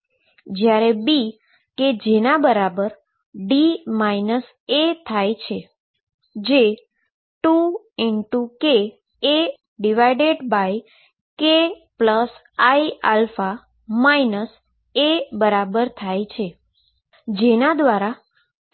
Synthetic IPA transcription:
d͡ʒjaɾebi | ked͡ʒenabəɾabəɾ | ɖimainəs | et̪ʰajt͡ʃʰe | d͡ʒe | ʈu | iɳʈukeː | ɖiʋajɖeɖbaj | ke | pləs | aialfa | mainəs | ebəɾabəɾt̪ʰajt͡ʃʰe | d͡ʒenad̪ʋaɾa

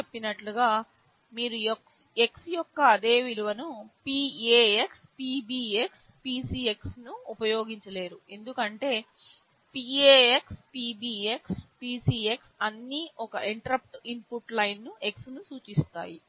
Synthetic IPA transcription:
t͡ʃepːinɐʈluɡaː | miːɾujɔk | e̞ksjɔkːɐːd̪e̞ːʋiluʋɐnupieːekspiːbiːeks | piːsie̞ksnuːpɐjo̞ːɡiɲt͡ʃɐle̞ːɾue̞nd̪ukɐɳʈe̞ː | piːeːekspiːbiːekspiːsiːe̞ksɐnːiɔkɐʔiɳʈɐɾɐp̚ʈimpuʈlɐjnːue̞ksnusuːt͡ʃist̪a̰ːji

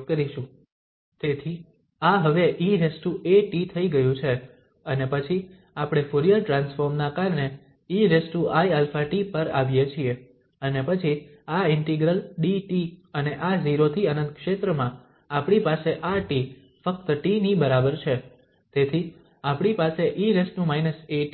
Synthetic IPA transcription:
kəɾiʃũ | t̪et̪ʰi | aɦəʋeʔiɾesʈueʈit̪ʰəiɡəjũt͡ʃʰe | ənepət͡ʃʰi | apɽ̃efuɾijəɾʈɾansfoɾmnakaɾɳe | iɾesʈuʔaiɛlfaʈipəɾa̰ʋjet͡ʃʰie | ənepət͡ʃʰi | aɪɳʈiɡɾəlɖiʈiəneʔaziɾot̪ʰiənə̃nt̪̚kʃet̪ɾəmã | apɽ̃ipaseʔaʈi | fək̚t̪əʈinibəɾabəɾt͡ʃʰe | t̪et̪ʰi | apɽ̃ipaseʔiɾesnũmainəse

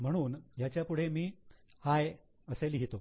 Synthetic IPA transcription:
m̤əɽ̃uːnjat͡ɕjapuɽ̤emiːhaj | əselɦit̪o

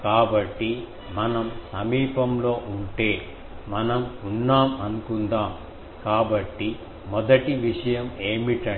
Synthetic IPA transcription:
kaːbɐʈːi | mɐnɐmsɐmiːpɐmlo̞ːʔuɳʈe̞ː | mɐnɐmunːaːmɐnukund̪aːm | kaːbɐʈːi | mɔd̪ɐʈiʋiʂɐjɐmeːmiʈɐ

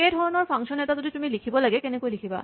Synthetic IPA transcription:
ejdʱɔɹɔnɔɹpʰaŋsɔnɛtazoditumilikʰibɔlaɡɛkenekujlikʰiba̰

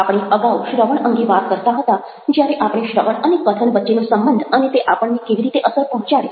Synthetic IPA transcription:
apɽ̃iəɡawʃɾəʋəɳəŋɡeʋat̪kəɾt̪aɦət̪a | d͡ʒjaɾeʔapɽ̃eʃɾəʋəɳənekət̪ʰəɳʋətːʃenosəmbənd̪ʱənet̪eʔapəɳnekeʋiɾit̪eʔəsəɾpɔɦɔ̃t͡ʃaɽe

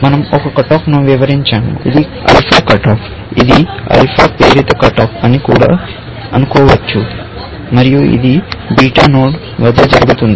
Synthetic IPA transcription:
mɐnɐmɔkɐkɐʈaːknuʋiʋɐɾiɲt͡ʃaːmṵḭd̪i | ɐ̰jpʰaːkɐʈaːp | id̪iɐ̰jpʰaːpeːɾit̪ɐkɐʈaːkɐnːikuːɽa̰ː | ɐnukɔːʋɐt͡ʃːu | mɐɾijuḭd̪ibiːʈaːnoːɖ | ʋɐd̪ɐd͡ʒɐɾɐɡut̪und̪i

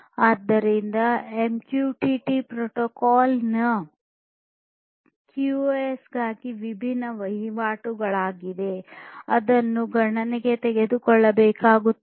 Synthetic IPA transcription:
aːd̪ːɐɾind̪ɐemkjuːʈiʈipɾoʈoːkaːlnɐ | kjuesɡaːɡiʋibʱinːɐʋɐɦiʋaːʈuɡɐɭaːɡid̪e̞ɐd̪ɐnːuɡʱɐɳɐneɡe̞t̪ɛɡe̞d̪ukɔɭːɐbɛːkaːɡut̪ː

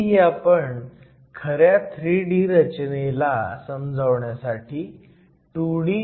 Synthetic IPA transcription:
iapəɳ | kʰəɾjat̪ʰɾiːɖiːɾət͡ɕnelasəmd͡zʱəʋɳjasaʈʰiː | ʈuɽi

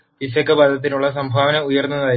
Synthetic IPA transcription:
pisɐkːɨbɐd̪ʱɐt̪̬ːinuɭːɐs̬ɐmbʱaːʋɐnɐujɐrnːɐðaː

